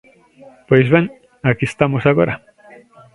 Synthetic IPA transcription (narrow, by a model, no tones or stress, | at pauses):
pwesβeŋ | akist̪amosaɣoɾa